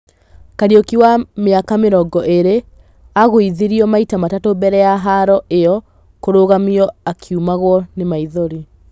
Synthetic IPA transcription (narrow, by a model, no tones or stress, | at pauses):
kaɾiokiwameakameɾɔɡɔʔeɾe | aɣoiðiɾiɔmaitamatatobɛɾɛjaɦaɾɔejɔ | koɾoɣamiɔakʰiumaɣwɔnemaiðoɾi